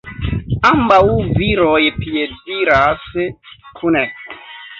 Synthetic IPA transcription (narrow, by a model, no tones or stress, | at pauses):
ambawviɾojpjediɾaskʰune